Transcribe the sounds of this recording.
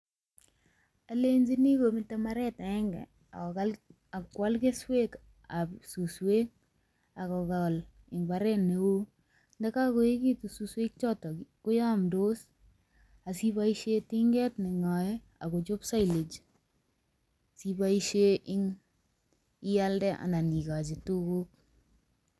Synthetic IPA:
a˨le˦nd͡ʒi˦ni˦ko˨mɪ˦ta˦ma˦ɾɛ˦ta˨ɛ˦ŋɡɛ̰˨ | a̰˨kɔ˨kal | a˨kːwa˦lke˦swe˦k | a˨psu˨swe˦k̚ | a˨kɔ˨ka˨l | ɪ˨ŋba˦ɾɛ˦ne˨wo˦ | ndɛ˦ka˦ko˨e˦ki˦tu˨su˨swe˦k̚t͡ʃɔ˦tɔ˨kʊ˦ja˦mdo˦s | a˨si˦ba˦iʃe˦ti˦ŋɡɛ˦tnɪ˨ŋa˨ɛ˦ | a̰˨ko˨t͡ʃʊ˦psa˦ile˨t͡ʃ | si˦ba˦i˦ʃe˦ʔɪ˦ŋ | ɪ˦ja˦ldɛ˦ʔa̰˨nda˨ni˨ka˨t͡ʃi˨tu˦ko˦k̚

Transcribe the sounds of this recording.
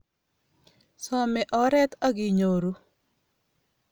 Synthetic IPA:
sɔ˨mɛ˨ʔɔ˨ɾɛ˦t̪ɔ˦ɡi˨ɲo˨ɾu˦

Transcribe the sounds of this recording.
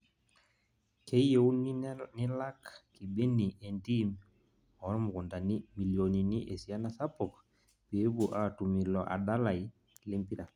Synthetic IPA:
ke˦je˨u˦nini˦la˦kki˨be˦ni˨ʔe˨nti˦m | ɔ˨˦ɾmu˨ku˨nda˨ni˦mi˨ljo˨ni˨ni˦ʔe˨si˨a˦nasa˦pɔ˨k | pi˨˦ɾbuʔatu˨mi˨lɔ˨ʔa̰˨da˦la˨j | le˦mpi˦ɾa˨

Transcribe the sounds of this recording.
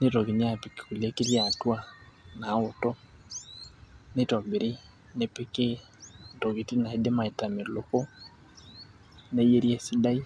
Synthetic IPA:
ne˦tɔ˨ke˨ɲ˦a˦pe˨ke̥˨ku˨le˦ke˦ɾja˨twa˦na˨˦o˨tɔ˦ | ne˦tɔ˨mbe˨ɾi˦ | ne˨pe˦ke˦ | ntɔ˨ke˨ti˦na˨e˦de˦ma˨e˨ta˨me˨lo˨kɔ˦ | ne˦je˦ɾjɛ˨si˦da˦i˦

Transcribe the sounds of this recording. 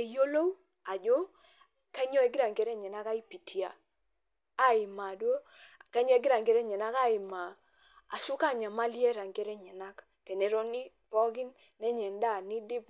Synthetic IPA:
e˨jo˦lo˦w | a˨d͡ʒo˦ | ka˦ɲɔ˦ɛ˨˦ɡɪ˦ɾa˨ŋɡɛ˨˦ɾɛ˦ɲɛ˨na˦ka˦i˦pi˨tʰi˨a̰˨ | a˦ɪ˨ma˨dwo˦ka˦ɲɔ˦ɛ˦ɡɪ˦ɾa˨ŋɡɛ˦ɾɛ˦ɲɛ˨na˦ka˦˨ɪ˨ma˨ | a̰˨ʃʊ˦ka˦˨ɲa˨ma˦li˦e˦ɾa˨ŋɡɛ˦ɾɛ˦ɲɛ˨na˦k | ke˨ne˨ɾo˦ni˦ | pɔ˦ɡɪ˦nː | ɛ˦ɲɛ˨nda˦˨ni˦dɪ˦p

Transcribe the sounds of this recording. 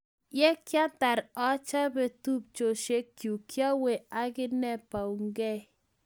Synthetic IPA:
jɛ˦kja˦t̪a˨ɾɔ˦t͡ʃa˦bɛ˨t̪u˦p̚t͡ʃo˨ʃe˦kju˨kja˦we˨a˦kɪ˦nɛ˦pa˨wŋɡɛ˦

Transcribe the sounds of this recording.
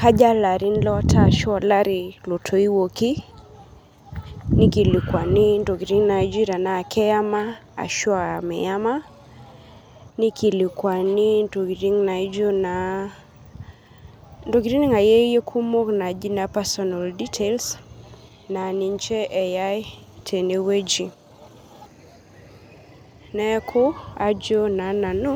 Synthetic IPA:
ka˦d͡ʒa˦la˨ɾi˦nlɔ˦tʰa˨ʃa˨la˦ɾi˨lo˨tʰo˨i˦woki˦ | ni˦ki˨li˨kwa˨ni˦ndo˨ɡi˨ɾi˦ŋna˨jd͡ʒi˦ɾja˨naː˨kɛ˦ja˦ma˦ | a̰˨ʃɔ˦amɛ̰˨ja˦ma˦ | ni˦kʰi˨li˨kwa˨ni˦ndo˨ɡi˨ɾi˦ŋna˨jd͡ʒo˦na˨ | ndo˨ɡi˨ɾi˦n˦ŋa˨je˦je˦kʰu˦mo˦kna˨d͡ʒi˦na˦pɛ˦sɔ˦na˨ldi˦tʰels | na˨ni˨ɲt͡ʃɛ˦ʔɛ˨ja˦jtʰe˨ne˨we˦d͡ʒi˨ | nɛ˦kʰʊ˦a̰˨d͡ʒo˦na˨na˨nu˦

